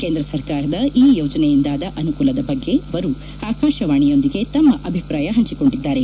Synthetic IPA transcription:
keːnd̪ɾɐsɐɾkaːɾɐd̪ɐiːjoːd͡ʒɐnejind̪aːd̪ɐʔɐnukuːlɐd̪ɐbɐɡːe̞ɐʋɐɾu | aːkaːʃɐʋaːɳijo̞nd̪iɡe̞t̪ɐmːɐʔɐbʱipɾaːjɐɦɐɲt͡ʃiko̞ɳɖid̪ːaːɾe̞

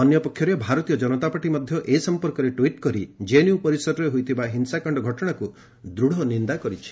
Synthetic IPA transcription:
ɔnjɔpɔkʰːjɔɾebʱaɾɔt̪ijɔd͡ʒɔnɔt̪apaʈimɔd̪ʱjɔʔesɔmpɔɾkɔɾeʈwiʈkɔɾid͡ʒenjupɔɾisɔɾɔɾeɦojt̪ʰibaɦinsakɔɳɖɔɡʱɔʈɔɽ̃aku | d̪ɾuɽ̤ɔnind̪akɔɾit͡ʃʰi̥

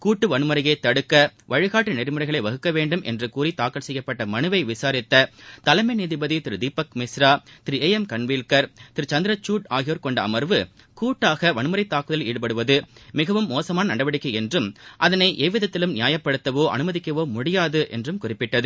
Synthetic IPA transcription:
kuːʈːɯʋɐnɯmɐɾɐjɐɪt̪ːɐɽɯkːɐʋɐɻɯɣaːʈːɯnɛɾɪmɯɾɐɪɣɐɭɐɪʋɐɣɯkːɐʋeːɳɖɯmʔɛ̰ndrɯkuːɾit̪aːkːɐlsɛjːɐpːɐʈːɐmɐnɯʋɐɪʋɪsaːɾɪt̪ːɐt̪ɐlɐɪmɐɪniːðibɐðit̪ɪɾɯd̪iːpːɐkmɪsɾaːt̪ɪɾieːjɛmkɐɳʋiːlkɐɾt̪ɪɾɯt͡ʃɐnd̪ɪɾɐt͡ʃːuːʈaːɣɪjoːɾkɔɳɖɐ̰ːmɐɾʋɯ | kuːʈːaːɣɐʋɐnɯmɐɾɐɪt̪ːaːkːɯðɐliːɽɯpɐɽɯʋɐðɯmɪɣɐʋɯmːoːsɐmaːnɐnɐɽɐʋɐɽɪkːɐɪɛndrɯmʔɐðɐnɐɪʔeːʋɪðɐt̪ːɪlɯmnɪjaːjɐpːɐɽɯt̪ːɐʋoːʔɐ̰nɯmɐðɪkːɐʋoːmʊɽɪjaːðɯʔɛ̰ndrɯmkʊrɪpːɪʈːɐðɯ

